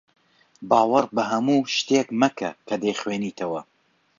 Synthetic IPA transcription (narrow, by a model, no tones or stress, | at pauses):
bɑːwɐɾbɐɦɐmuːʃt̪ekmɐkʰɐkʰɐd̪ejχweːniːt̪ʰɐwɐ